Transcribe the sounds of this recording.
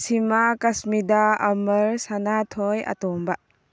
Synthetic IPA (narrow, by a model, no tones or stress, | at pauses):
simakasmid̪aɐmɐɾsanatʰɔja̰t̪ɔmbaʔ